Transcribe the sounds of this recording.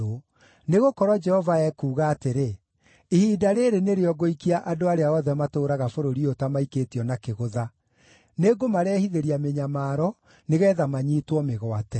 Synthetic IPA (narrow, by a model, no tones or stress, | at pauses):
o | neɣokɔɾwɔd͡ʒɛhɔvaɛkuːɣaːteɾe | ihiːdaɾeɾeneɾeɔɡoikiaʔadoaɾeaɔðɛmatoːɾaɣafoɾoɾiotamaiketiɔnakeɣoða | neɡomaɾɛːhiðeɾiameɲamaːɾɔ | neɣɛːðamaɲiːtwɔmeɣwatɛ